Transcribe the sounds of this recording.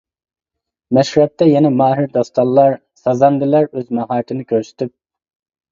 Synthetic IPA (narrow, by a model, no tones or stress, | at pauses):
mɛʃɾɛp̚t̪ʰɛjɛnɛmɑːɦɪɾd̪ɑst̪ɑlˠlːˠɑɾ | sɑzɑnd̪ɪlæɾøzmɑɦɑːɾt̪ʰɪnɪkʲʰøɾsy̥t̪ʰyp̚